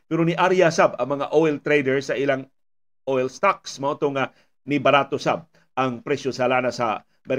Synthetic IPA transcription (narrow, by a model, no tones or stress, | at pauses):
pɛɾoniʔaɾjasabɐŋmɐŋa̰ʔoʔɛlt̪ɾejd̪ɛɹsɐʔɪlaŋ | ʔoʔɛlst̪ak̚smɐʔont̪oŋa | nɪbɐɾat̪osa̰b̚ | ʔɐŋpɾɛʃjosɐlaːnasɐ̰ | mɛɾ